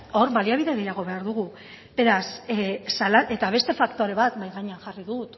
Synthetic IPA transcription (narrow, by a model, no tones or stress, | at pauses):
o̞ɾβaliaβiðe̞ɣe̞jaɣ̞o̞βe̞aɾðuɣu | be̞ɾassalae̞t̪aβ̞e̞st̪e̞fakt̪o̞ɾe̞β̞at̪bajɣaɲeaŋʝariðut̪